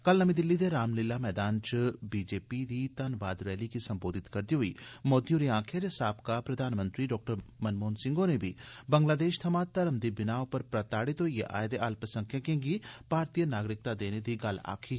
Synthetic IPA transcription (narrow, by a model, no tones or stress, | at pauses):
kɐlnɐmĩd̪ɪlːid̪eɾaːmlɪlːamɛːd̪aːnt͡ʃbiːd͡ʒeːpid̪it̪ɐnʋaːd̪ɾɛːlikisɐ̃mboːd̪ʱɪt̪kɐɾd̪iɦʊḭmoːd̪joɾiãːkʰeɾesaːbkapɾɐd̪ʱaːnmə̃nt̪ɾiɖɔːk̚ʈəɾmɐnmoːnsɪ̃ŋɡonebʱibɐ̃ŋɡlaːd̪eːʃt̪ʰɐmat̪ɐɾəmd̪ibɪnaːõpɐɾpɾɐt̪aːɽit̪ojeʔa̰ːjd̪eʔaːlpɾɐsə̃ŋkʰjãkẽːŋɡib̥ʱaːɾt̪ijənaːɡɾɪk̚t̪ad̪eːned̪iɡɐla̰ːkʰi